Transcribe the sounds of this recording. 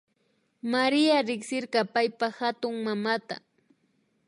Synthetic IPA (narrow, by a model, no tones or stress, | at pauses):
maɾɪaɾɪksɪɾqɑpajpahat̪ʊŋmamat̪a̰